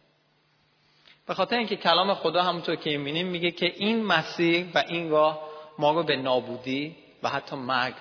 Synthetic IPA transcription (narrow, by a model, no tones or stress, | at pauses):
b̥e̞xɒːt̪ʰeɾeĩŋcʰe̞cʰælɒːmexod̪ɒːɦæmunt̪ʰoɾcʰemimiːnimːiːɟecʰe̞ʔinmæsiːɾvæʔinɡɒːhmɒːɾobe̞nɒːbuːd̪iː | væhæt̪ʰːɒːmæɾɡ